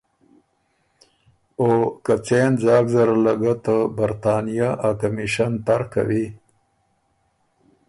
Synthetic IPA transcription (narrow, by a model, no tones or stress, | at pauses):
okat͡senzɑːɡzaɾalaɡat̪əbaɾt̪ɑːnijaʔakamiʃant̪aɾka̰wi